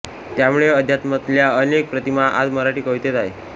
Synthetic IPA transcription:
t̪jamuɭeəd̪ʱjat̪mət̪ljaənek̚pɾət̪imaʔa̰d͡zməɾaʈiːkəʋt̪et̪aɦe

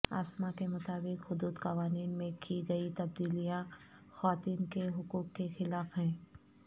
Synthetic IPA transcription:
a̰ːsmakemʊt̪aːbɪkhʊd̪uːd̪qɐʋaːniːnmẽkiɡɐit̪ɐb̚d̪iːlijãxaːt̪iːnkeɦʊkuːkːexɪlaːfɦɛ̃ː

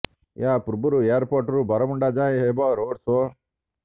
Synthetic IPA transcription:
jaːpuɾbuɾueːɾpoːɾʈɾubɐɾɐmuɳɖaːd͡ʒaːjeɦeːbaːɾoːɖso

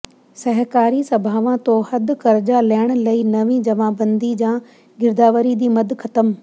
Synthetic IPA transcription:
sɐɦkaːɾisɐbʱaːʋãt̪ohɐd̪kɐɾd͡ʑalɛːɪɽ̃̆lɐinɐʋĩd͡ʑɐʋ̤ãbɐ̃nd̪id͡ʑãː | ɡɪɾd̪aːʋəɾid̪iːmɐd̪ʱkʰɐt̪əm

